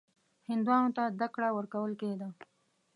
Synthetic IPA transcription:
hɪnd̪wɑnot̪azd̪akɽawəɾkawəlked̪a

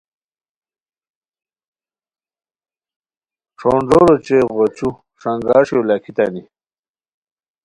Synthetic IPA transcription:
ʈ͡ʂʰoːɳɖoɾot͡ɕeʁot͡ɕu | ʂɐŋɡaːʂolɐkʰit̪ɐni

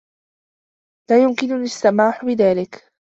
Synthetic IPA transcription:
laːjʊmkɪnʊlɪsːamaːħʊbɪðaːlɪk

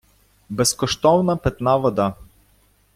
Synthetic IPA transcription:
bɛskɔʃt̪ɔvnapɛt̪navɔd̪a

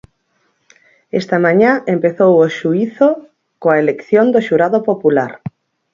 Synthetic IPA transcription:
ḛst̪amãɲãempeθowoʃuiθo | koaelekθjond̪oʃuɾaðopopulaɾ

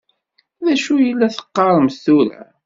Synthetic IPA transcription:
ðæʃujəlːæθə̥qːɑɾˤəmst̪uɾæ̰

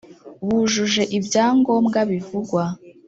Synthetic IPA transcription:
βuʒuʒe̞ʔibjaːŋɡo̞ːmɡaβivuɡwa

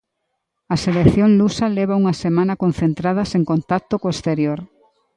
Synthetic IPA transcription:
ɐselekθjoŋlusɐleβ̞ɐuŋɐsemãnɐkon̟θent̪ɾað̞ɐseŋkont̪ak̚t̪okoest̪eɾjoɾ

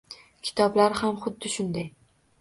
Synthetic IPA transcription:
kʲʰɪ̥t̪ʰɒblaɾhamχʊd̪ːɪʃʊnd̪aj

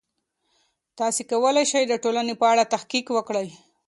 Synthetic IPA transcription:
t̪ɑsekawəlajʃajd̪əʈolanepəaɽat̪axkikwəkɽaj

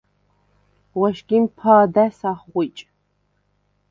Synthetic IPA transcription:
wɐʃɡʲimpʰaːdasaχʁʷʊjt͡ʃʼ

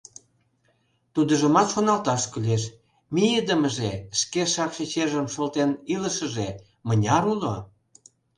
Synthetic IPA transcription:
t̪ud̪əʒəmɑt̪ʃonɑlt̪ɑʃkyleʃ | mijed̪əməʒeʃkeʃɑkʃet͡ɕeʒəmʃolt̪eniləʃəʒe | mənʲɑɾulo

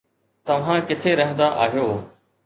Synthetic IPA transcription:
t̪ɐʋ̤ãkɪt̪ʰeɾɐɦə̃nd̪aʔaːɦijoː

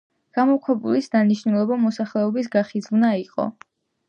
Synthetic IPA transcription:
ɡ̥amɔkʰwɛbulisd̪aniʃnulˠɔbamɔsaχlɛɔbis̬ɡaχid̪zvnaiqʼɔ̰

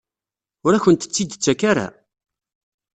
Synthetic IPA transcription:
ʊɾæçənt̪ə̥t͡sːid̪t͡sːakaɾa̰

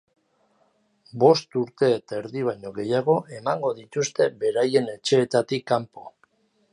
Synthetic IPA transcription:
bo̞st̪uɾt̪e̞ːt̪aeɾðiβ̞ajɲo̞ɣe̞jaɣo̞ʔe̞maŋɡo̞ðit̪ust̪e̞be̞ɾaje̞ne̞t͡ʃe̞ːt̪at̪ikːampo̞

